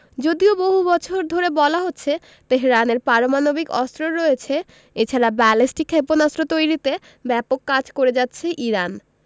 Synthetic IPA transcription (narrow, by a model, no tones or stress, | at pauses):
d͡ʑod̪ioboɦubɔt͡ɕʰoɾd̪ʱoɾebɔlaɦotːɕʰe | t̪eɦɾaneɾpaɾomanobikɔst̪ɾoɾɔet͡ɕʰe | et͡ɕʰaɾabɛlisʈikʰːeponasɾot̪ojɾit̪e | bɛpokːad͡ʑkoɾed͡ʑatːɕʰeʔiɾan